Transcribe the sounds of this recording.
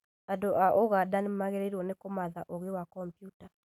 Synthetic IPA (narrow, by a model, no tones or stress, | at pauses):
andoʔaʔoɣadanemaɣeɾeɾwɔnekomaðaʔoɣewakɔmpjuta